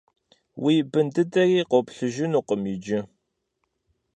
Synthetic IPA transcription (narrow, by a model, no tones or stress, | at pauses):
wʔiːbɨndɨdɐriːqopɬɨʒɪnuːqəmid͡ʒɪ